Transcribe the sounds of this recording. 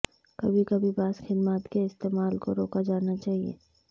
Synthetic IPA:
kɐ̰bʱikɐbʱibaːsxɪd̪maːt̪keɪst̪eːmaːlkoɾoːkad͡ʒaːnat͡ʃaːɦiḛː

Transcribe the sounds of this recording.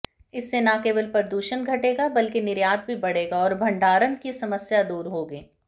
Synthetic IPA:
ɪsːenakeːbəlpɐɾd̪uːʃənɡʱɐʈeːɡabɐlkenɪɾjaːd̪̚bʱibɐɽ̤eːɡaɔːɾbʱɐ̃ɳɖaːɾənkisɐməsjad̪uːɾɦoːɡeː

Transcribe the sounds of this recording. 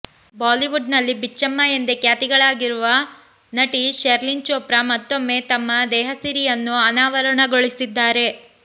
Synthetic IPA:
baːliʋuɖ̚nɐlːibit͡ʃːɐmːajend̪ekjaːt̪iɡɐɭaːɡiɾuʋɐ | nɐʈiʃeɾlint͡ʃoːpɾɐmɐt̪ːo̞mːe̞t̪ɐmːɐd̪ɛːɦɐsiɾijɐnːuɐnaːʋɐɾɐɳɐɡoɭisid̪ːaːɾe̞

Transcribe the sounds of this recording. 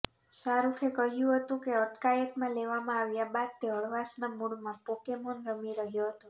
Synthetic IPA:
ʃaɾukʰekəɦjũɦət̪ũkeəʈkajət̪mãleʋamãaʋjabad̪̚t̪eəɭʋasnamuɭmãpokemonɾəmiɾəɦjuɦət̪ũ

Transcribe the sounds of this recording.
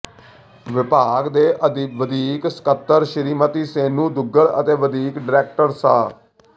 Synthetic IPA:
ʋɪpaːɡd̪eːʔəd̪ʋəd̪iːksə̥kət̪ːəɾʃəɾiːmət̪iːseːnũːd̪ʊɡəɾə̰t̪eːʋəd̪iːkɖɪɾɛːk̚ʈəɾsaː

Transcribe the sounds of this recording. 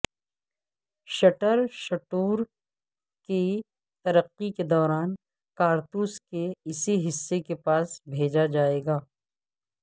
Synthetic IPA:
ʃɐʈəɾʃɐʈuːɾ | ki | t̪ɐɾəqːiked̪ɔːɾaːn | kaːɾt̪uːskeɪsiɦɪsːekepaːsbʱeːd͡ʒad͡ʒaːeːɡaː

